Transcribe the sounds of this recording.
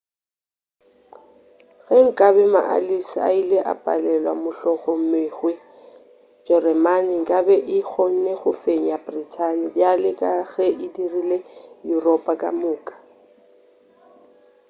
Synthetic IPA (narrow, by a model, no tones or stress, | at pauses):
ɣɛŋ̩kʼabɛma̰ʔa̰lisa̰ileʔa̰pʼa̰lɛlwa̰mʊɬɔχɔm̩meɣwe | d͡ʒɛrɛmanɪŋ̩kʼabɛʔɪk͡xʰoŋ̩neɣʊfeɲ̩jabritʰanɪbjalɪkʼaɣɛʔɪdirilejurɔpʼakʼa̰mʊːkʼḁ